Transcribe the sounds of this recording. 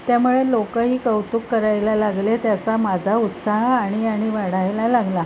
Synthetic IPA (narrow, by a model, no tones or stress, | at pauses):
t̪jamuɭelokəɦiːkəwt̪ukːəɾajlalaɡlet̪jat͡samad͡zʱaut̪saɦaɽ̃iaɽ̃iʋaɽajlalaɡla